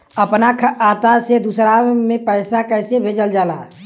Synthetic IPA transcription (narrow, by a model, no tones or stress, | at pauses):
əpnakʰaːt̪ased̪usɾamẽpəɪsakəɪsebʱeːd͡ʒəld͡ʒaːla